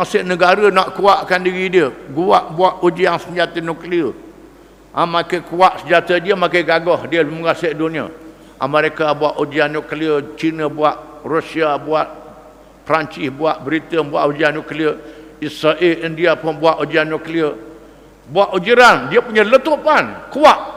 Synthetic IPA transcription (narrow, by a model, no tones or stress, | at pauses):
aŋsəʔnəɡaɾənaʔkuaʔkandiɣidiəɡuaʔbuaʔud͡ʒiaŋsəɲd͡ʒat̪ənukliə | ʔamakəkuaʔsəd͡ʒat̪ədiəmakəjɡaɡɔhdiəmuɡaseʔdunĩa̰ | ʔa̰məɾekabuaʔud͡ʒianːukliət͡ʃinəbuaʔrusiabuaʔ | pəɾaɲt͡ʃɪsbuaʔbəɾit̪ənbuaʔud͡ʒianːukliəisɾaʔelindiapʊnbuaʔud͡ʒianːukliə | buaʔud͡ʒiɾandiəpuɲələt̪uʔpankuaʔ